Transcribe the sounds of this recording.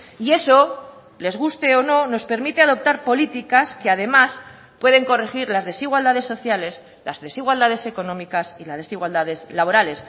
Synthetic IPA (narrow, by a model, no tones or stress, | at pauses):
ie̞so̞ | le̞zɣust̪e̞ono̞no̞spe̞ɾmit̪e̞að̞o̞p̚t̪aɾpo̞lit̪ikaskeaðe̞mas | pwe̞ðe̞ŋko̞rexiɾlazðe̞siɣwald̪aðe̞sːo̞θjale̞s | lazðe̞siɣ̞wald̪að̞e̞se̞ko̞nõ̞mikasilazðe̞siɣwald̪aðe̞slaβo̞ɾale̞s